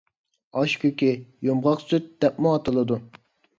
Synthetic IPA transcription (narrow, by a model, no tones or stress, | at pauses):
ɑʃkʲykʲijomʁɑqsyt̪̚d̪ɛp̚muɑt̪ɨlˠɨd̪u